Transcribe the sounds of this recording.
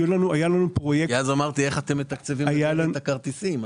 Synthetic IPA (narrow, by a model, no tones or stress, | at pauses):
julanuajalanupʁo̞jekazamaʁt̪ie̞χat̪emːet̪akt͡sevimajalant̪akaʁt̪isim